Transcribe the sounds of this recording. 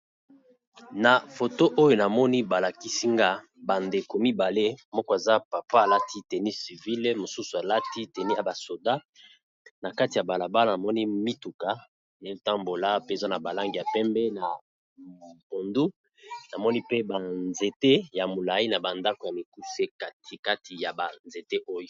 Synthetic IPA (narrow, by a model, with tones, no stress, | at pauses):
na˨fo˨to˦ʔo˦jo˨na˨mɔ˦ni˦ba˨la˨ki˦si˦ŋɡa˦ | ba˨nde˨ko˨mi˦ba˨le˦mɔ˦kɔ˦˨e˨za˦pa˨pa˦a˨la˦tʰi˦te˨ni˦si˨vi˦lmo˨su˦su˨a˨la˦ti˦te˨ni˦a˨ba˨so˨da˦ | na˨ka˦ti˨ja˨ba˨la˨ba˦la˨na˨mɔ˦ni˦mi˦tu˨ka˦ | ne˨˦ta˦mbo˨la˦pe˦˨za˦na˨ba˨la˦ŋɡi˨ja˨pɛ˦mbɛ˦na˨ | po˨ndu˦ | na˨mɔ˦ni˦pe˦ba˨nze˨te˦ja˨mo˨la˨i˦na˨ba˨nda˦ko˨ja˨mi˨ku˦se˦ka˦ti˨ka˦tʰi˨ja˨ba˨nze˨te˦ʔo˦jo˨